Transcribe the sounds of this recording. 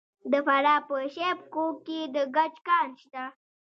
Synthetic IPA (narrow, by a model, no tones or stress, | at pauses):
d̪əfaɾɑpəʃepkokːed̪əɡat͡ʃkɑːnʃt̪a